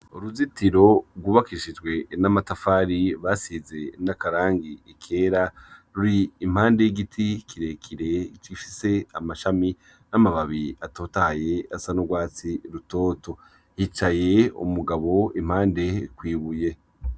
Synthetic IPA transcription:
uɾuzitiɾo̞ɡwuːβakiʃid͡ʒɡwe̞namatafaːɾiβasiːze̞nakaɾaːŋɡiikʰe̞ːɾaɾuɾiːm̥haːndeiɡitʰikʰiɾekʰiɾe̞t͡ʃifise̞amaʃami | namaβaβiato̞ːtaje̞asanoɡwaːt͡siɾuto̞ːtʰo̞ | hit͡ʃaje̞ṵmuɡaβo̞im̥haːnde̞kwiːβuje̞

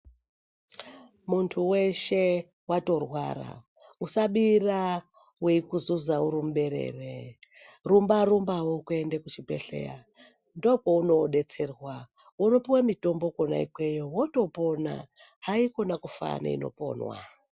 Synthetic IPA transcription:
muntʰuwe̞ʃe | wato̞rwa̰ra̰ | usaɓira | weikuzuzauɾim̩uɓe̞ɾe̞̰ːre | rumbarumbawokue̞ndekut͡ʃibʱe̞̰ɬe̞̰ja̰ | ndokouno̞ɗe̞t͡se̞rwa | uno̞piwamito̞mbo̞kona̰ḭkwe̞jo̞woto̞po̞na̰ | ɦaiko̞nakufa̰nḛḭno̞̰po̞̰nwa̰

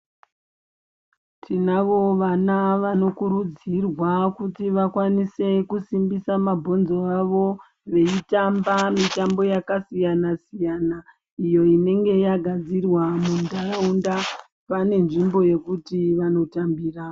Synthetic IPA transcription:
tʰinaʋo̞ʋanaʋano̞kuɾud͡zirwakutiʋakwanise̞kusimbisamabʱo̞nzo̞aʋo̞ | ʋe̞itambamitambo̞jakasijanasijana | ijo̞ine̞ŋɡe̞jaɡʱad͡zirwamundaraunda | pane̞nʐimbo̞je̞kutiʋano̞tambiːra

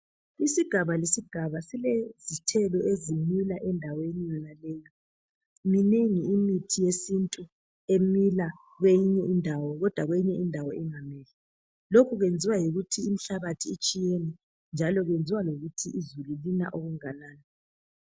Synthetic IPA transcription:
isiɡ̥ʱaβalesiɡ̥ʱaβasilezitʰɛlɔezimilaʔɛndʱawenijɔnalɛja | mineŋiimitʰijesintʼu | emila | ɣwejiɲɛindʱawɔɣɔd̥ʱwaɣwejiɲɛindʱawɔiŋamɛːlɛ | lokʰuɣwend͡zʱiwajiɣutʰiːm̩ɬaβatʰiːt͡ʃʼijenɛ | nd͡ʒʱalɔɣwend͡zʱiwaloɣutʰiʔizululina̰ʔoɣuŋanaːnɛ

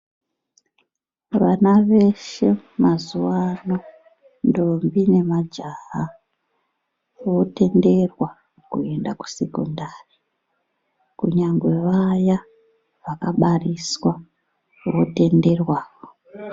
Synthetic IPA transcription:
ʋanaʋe̞ʃe̞mazuwano | ndo̞mbine̞mad͡ʒaɦa | ʋo̞te̞nde̞rwa | kue̞ndaku̥se̞kondaːri | kuɲaŋɡwe̞ʋaja | ʋakaɓariswa | ʋo̞te̞nde̞rwaːo

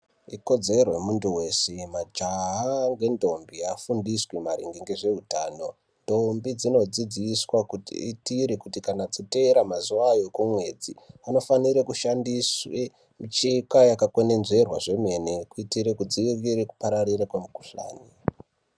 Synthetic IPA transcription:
iko̞d͡ze̞rojemuntuwe̞semad͡ʒaɦaŋɡe̞ndo̞mbiafundiswimaɾiŋɡiŋɡeʐe̞ɦutaːno̞ | ndo̞mbid͡zino̞d͡zid͡ziːswakuitiɾekutikanad͡zote̞ɾamazuʋajo̞kumwe̞d͡ziano̞faniɾekuʃandiswe | mit͡ʃikajakakwo̞ne̞nze̞rwaʐe̞me̞nekuitiɾekud͡ziiriɾeku̥paɾariɾakwemuku̥ɬa̰ːni

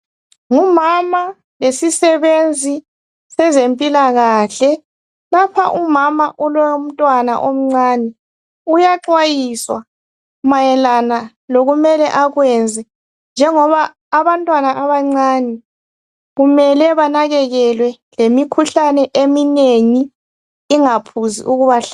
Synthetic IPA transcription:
ŋumama | lesisɛβend͡zʱi | sɛzempʼilaɣaɬɛ | lapʰa̰ʔumamaʔulom̩tʼwana̰ʔom̩ŋ͡ǀaːnɛ | ujaǁwajiswa | majɛlana | loɣumɛlɛʔaɣwɛnd͡zʱɛ | nd͡ʒʱɛŋɔβaː | βantʼwanaʔaβaŋ͡ǀaːnɛ | ɣumɛlɛβanaɣɛɣɛlwɛlemikʰuɬanɛʔemineŋiː | ŋapʰuzḭʔuɣuβaɬ

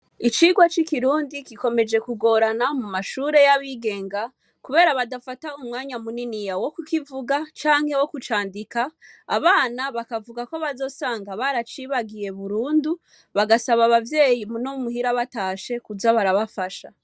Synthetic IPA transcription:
it͡ʃiːɡwat͡ʃikiɾuːndikiko̞me̞d͡ʒe̞kuɡo̞ɾanamumaʃuːɾe̞jaβiːɡe̞ːŋɡa | kuβe̞ːɾaβadafataumŋaːɲamuninijawo̞kukivuɡat͡ʃaːŋ̥he̞wo̞kut͡ʃaːndika̰ːβaːnaβakavuɡako̞βazo̞ːsaːŋɡaβaɾat͡ʃiβaɡije̞βuɾuːndu | βaɡasaβaːβavje̞ːjimunomuɦiɾaβataːʃe̞kuzaβaɾaβafaʃa

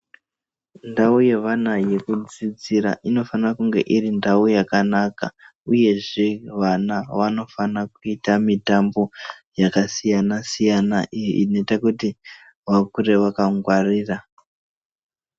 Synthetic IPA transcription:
ndauje̞ʋanaje̞kud͡zid͡ziɾa̰ʔino̞fanrakuŋɡe̞̰ʔirindaujakanaka | uje̞ʐe̞ʋanaʋano̞fanakuitamitambo̞jakasijanasijanaʔijiʔino̞itakuti | ʋakure̞ʋakaŋɡwariːra

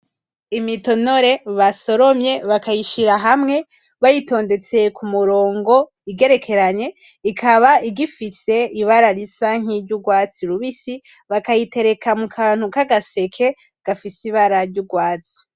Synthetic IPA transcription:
imito̞no̞ɾe̞βaso̞ɾo̞mje̞βakajiʃiɾaɦamŋe̞ | βajito̞ːnde̞t͡se̞kʰumuɾo̞ːŋɡo̞ | iɡe̞ɾe̞kʰe̞ɾaɲe̞ | ikʰaβaiɡifise̞iβaɾaɾisaŋ̥iɾɟuɡwaːt͡siɾuβisi | βakajite̞ɾe̞kamukʰaːn̥hukaɡase̞kʰe̞ | ɡ̥afisiβaɾaɾɟuɡwaːt͡si̥

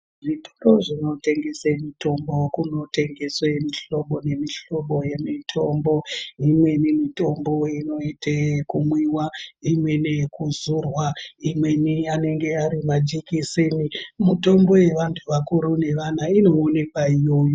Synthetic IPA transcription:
ʐito̥ro̞ʐino̞te̞ŋɡe̞semito̞mbo̞kuno̞te̞ŋɡe̞swemiɬo̞ɓo̞ne̞miɬo̞ɓo̞je̞mitʰombo̞imwe̞nemito̞mbo̞ino̞itʰekumwiwaimwe̞ne̞kuzurwaimwe̞niane̞ŋɡe̞aɾimad͡ʒikisinimuto̞mbo̞je̞ʋantʰuʋakuɾune̞ʋanaino̞ːne̞kwaijo̞ːjo

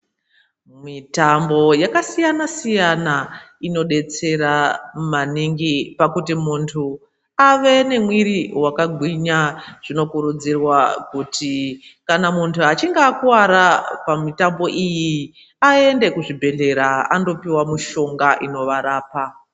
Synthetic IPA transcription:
mitambo̞jakasijanasijana | ino̞ɗe̞t͡se̞ɾamaniŋɡipakutimuntʰu | aʋe̞ne̞mwiɾiwakaɡʱwiɲaʐ̥ino̞kuɾud͡zirwakutikanamuntʰuat͡ʃiŋɡaːkuwaɾapamitambo̞ʔiji | ae̞nde̞kuʐibʱe̞ɬe̞ɾaando̞piwamuʃo̞ŋɡaʔino̞ʋaɾaːpa

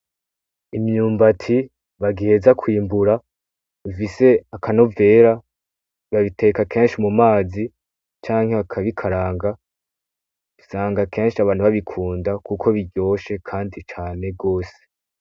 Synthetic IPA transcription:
imɲuːmbatʰi | βaɡihe̞zakwiːmbuɾa | ufise̞akʰano̞ve̞ːɾa | βaβitʰe̞kakʰe̞ːnʃimumaːzi | t͡ʃaːŋhe̞βakʰaβikʰaɾaːŋɡa | isaːŋɡake̞ːnʃiaβaːnhuβaβikʰuːndakukʰo̞βiɟo̞ːʃe̞kʰaːndit͡ʃaːne̞ɡo̞ːse

